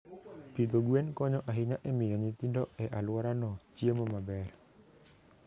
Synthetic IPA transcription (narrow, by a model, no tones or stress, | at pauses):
pit̪oɡuɛnkɔɲɔʔaɦiɲaʔɛmijɔɲit̪indɔʔɛʔaluaɾanɔt͡ʃiəmɔmabɛ